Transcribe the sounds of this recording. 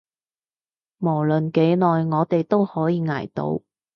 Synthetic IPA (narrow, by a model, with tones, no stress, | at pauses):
mo˨˩wlɵ˨nke˨˥jlɔː˨jŋɔː˨˧t̪e˨jt̪o˥whɔː˨˥jiː˧ŋa̰ː˨˩jt̪o̰˨˥w